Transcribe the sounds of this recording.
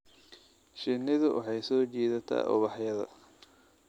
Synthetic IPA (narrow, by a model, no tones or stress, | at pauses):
ʃɪnɪðʊwʔɑ̰ħɑjsɔːt͡ʃiːðɐt̪ʰa̰ːʔʊ̰βɑħjɐðɐ̰